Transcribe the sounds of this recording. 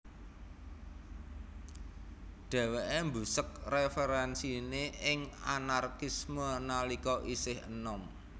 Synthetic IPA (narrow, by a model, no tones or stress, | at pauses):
ɖ̪̥a̤weʔembṳsək̚refeɾɛnsineɪŋanarkismənalikɔʔisɪhə̰nɔm